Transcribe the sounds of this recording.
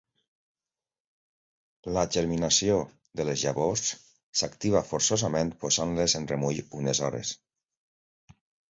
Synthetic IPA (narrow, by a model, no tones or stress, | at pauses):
laʒeɾminasio | ðəlezʒaβosː | akt̪iβ̞afoɾsozamẽnt̪̚pozanlezenremuʎunezɔɾḛs